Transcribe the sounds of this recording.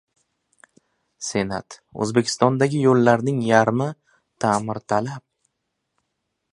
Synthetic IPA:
se̞na̰t̪ɵ̰zbe̞kʲʰɪ̥st̪ɒnd̪aɡʲɪjolːaɾnɪŋjaɾmɪ | t̪ʰamɪɾt̪ʰalap̚

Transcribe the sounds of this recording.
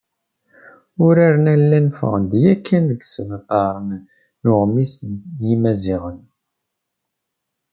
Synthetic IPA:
ʊɾaɾənælːænfə̰ʁənd̪jækʰːænðəɡsəməqɑɾˤən | nʊʁmisjimæziʁən

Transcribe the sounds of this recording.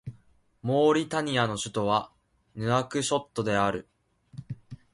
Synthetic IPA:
mo̞ːɾʲit̪aɲ̟iano̞ɕɨ̥t̪o̞βa | nɯ̟akɯ̟ɕo̞t̪ːo̞d̪e̞aɾɯ̟

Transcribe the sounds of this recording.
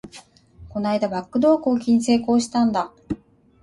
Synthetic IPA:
ko̞naid̪abakːɯ̟d̪o̞ːkoːk̬ʲiɲ̟ise̞ːko̞ːɕi̥t̪ãnd̪a

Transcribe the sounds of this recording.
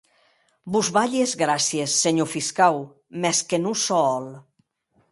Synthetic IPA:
buzβaʎezɣɾasjesːeɲofiskaw | mɛskenusɔɔl

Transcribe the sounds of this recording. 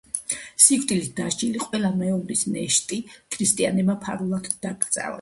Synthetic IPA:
sikʰt̪ʼilit̪̚d̪aʃd͡ʒiliqʼwɛlamɛɔbɾisnɛʃt̪ʼikʰɾist̪ʼianɛbmapʰaɾulˠat̪ʰd̪aɡɾt̪sʼa̰la̰

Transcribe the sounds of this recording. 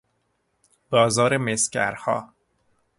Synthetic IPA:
b̥ɒːzɒːɾemescæ̰ɾhɒ̰ː

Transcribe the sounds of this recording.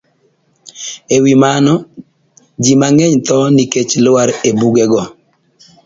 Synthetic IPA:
ewimanɔ | d͡ʒimaŋɛɲt̪ɔniket͡ʃlʊwaɾebuɡɛɡɔ

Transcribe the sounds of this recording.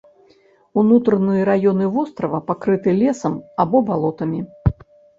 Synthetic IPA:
unut̪ɾɐnɨjɐɾajɔnɨvɔst̪ɾɐvɐpakɾɨt̪ɨlʲɛsɐmabɔbalˠɔt̪ɐmʲi

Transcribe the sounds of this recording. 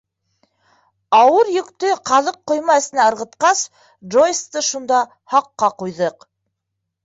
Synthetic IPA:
ɑwɤɾjɵ̆kt̪ɵqɑlˠɤqːŏjmɑɘ̆sɘ̆næɤ̆ɾʁɤ̆t̪qɑs | ʒojst̪ɤʃund̪ɑ | hɑqːɑqujðɤq

